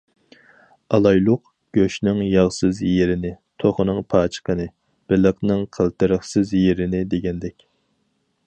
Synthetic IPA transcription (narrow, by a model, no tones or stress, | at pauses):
ɑlˠɑjlˠʊq̚ | ɡ̥ʲøʃnɪŋjɑʁsɨzjeɾɪnɪ | t̪ʰoχnɨŋpʰɑːt͡ʃʰə̥qʰənɨ | b̥ɪləqnɨŋqʰəlˠt̪ɨɾəχsɨzjeɾɪnɪd̪eɡʲɛnd̪ɛkʲ